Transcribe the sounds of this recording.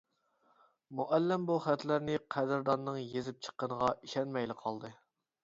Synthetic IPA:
muʔɛlːɪmbuχæt̪læɾnɪqʰæd̪ɪɾd̪ɑnːɨŋjezɪp̚t͡ʃʰə̥qːənəʁɑʔiʃɛnmɛjlɪqʰɑlˠd̪ɨ

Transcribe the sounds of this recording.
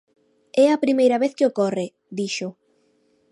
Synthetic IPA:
ɛɐpɾimejɾɐβeθkeokɔre | d̪iʃʊ

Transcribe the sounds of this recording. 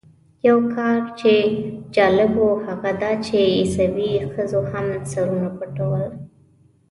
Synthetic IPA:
jawkʰɑɾt͡ʃed͡ʒɑlɪbohaɣad̪ɑt͡ʃeːsawixəzohamsaɾunapəʈawəl

